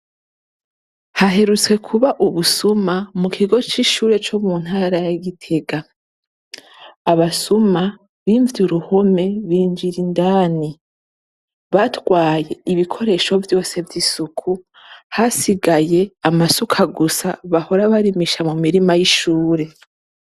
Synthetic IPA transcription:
haɦe̞ɾut͡swe̞kʰuβaʔuβusumamukʰiɡo̞t͡ʃiʃuːɾe̞t͡ʃomun̥haːɾajaɡitʰe̞ɡa | βasuma | βiːɱvjuɾuho̞me̞βiːɲd͡ʒiɾindaːni | βatwaːje̞iβikʰo̞ɾe̞ʃo̞vjo̞ːse̞vjisukʰu | hasiɡaje̞amasukʰaɡusaβaho̞ɾaβaɾimiʃamumiɾimajiʃuːɾe̞

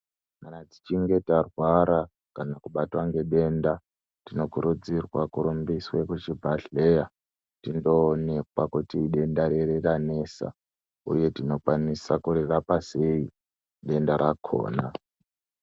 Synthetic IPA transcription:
manad͡zit͡ʃiŋɡe̞tarwaɾa | kanakuɓatwaŋɡe̞ɗe̞nda | tino̞kuɾud͡zirwakuɾumbiswekut͡ʃibʱaɬeja | tindo̞ːnekwakutiɗe̞ndaɾeɾerane̞ːsa̰ | ṵje̞tino̞kwanisakurerapase̞i | ɗe̞ndaɾakʰo̰ːna

